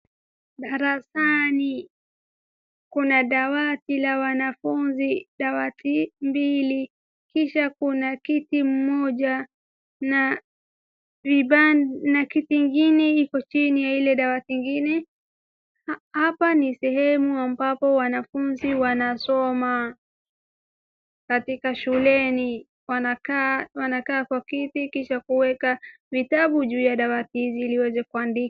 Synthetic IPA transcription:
ɗaɾasani | kunaɗawatilawanafunziɗawatimbili | kiʃakunakitim̩mɔʄa | na | viɓanakitiŋɡinɛikɔt͡ʃinijailɛɗawatiŋɡinɛ | hapanisɛhɛmuambapɔwanafunziwanasɔma | katikaʃulɛni | wanakawanakaːkwakitikiʃakuwɛka | vitaɓuʄuːjaɗawatihiziːliwɛzɛkuandika

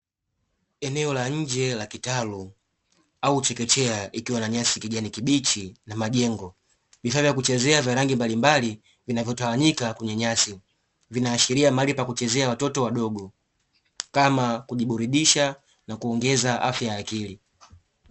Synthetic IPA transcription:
ɛnɛɔlaɲ̩d͡ʒɛlakitalu | aut͡ʃɛkɛt͡ʃɛaʔikiwanaɲasikiʄanikiɓit͡ʃinamaʄɛŋɡɔ | vifavjakut͡ʃɛzɛavjaɾaŋɡimbalimbali | vinavjɔtawaɲikakwuɲɛɲasi | vinaːʃiɾiamalipakut͡ʃɛzɛawatɔtɔwaɗɔɡɔ | kamakuʄiɓuɾiɗiʃa | nakuɔŋɡɛzaʔa̰fjaːkili

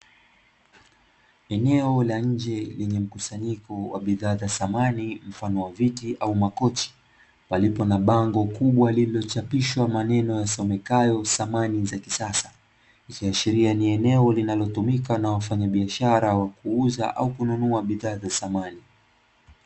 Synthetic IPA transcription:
ɛnɛɔlaɲ̩d͡ʒɛlɛɲɛm̩kusaɲikɔwa̰ɓiðaːzasamanim̩fanɔwavitiʔaumakɔt͡ʃi̥ | palipɔnaɓaŋɡɔkuɓwalililɔt͡ʃapiʃwamanɛnɔjasɔmɛkajɔsamanizakisasḁ | ikiaʃiɾianiɛnɛɔlinalɔtumikanawafaɲaɓiaʃaɾawakuuza̰ʔa̰ukununuaɓiðaːzasamani

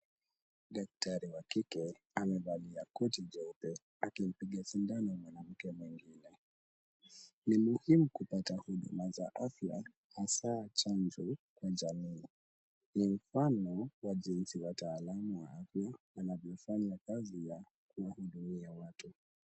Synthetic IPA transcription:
ɗak̚taɾiwakikɛ | amɛvaliakɔtid͡ʒɔupɛ | akim̩piɠasindanɔmwanam̩kɛmwiŋɡinɛ | nimuhimukupatahuɗṵmazaʔafja̰ | hasaːt͡ʃand͡ʒɔkwaʄamiː | nim̩fanɔwaʄinsiwataːlamuwaafjaː | navjɔfaɲakazija | kuwahuɗumiawatu

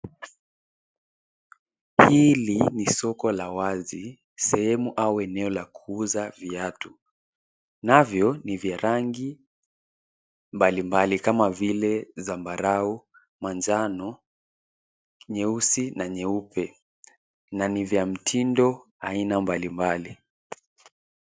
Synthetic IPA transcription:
hilinisɔkɔlawazi | sɛhɛmuʔauɛnɛɔlakuuzaviatu | navjɔnivjaɾaŋɡi | mbalimbalikamavilɛzambaɾau | mand͡ʒanɔ | ɲɛusinaɲɛupɛ | nanivjam̩tʰindɔ | ainambalimbali

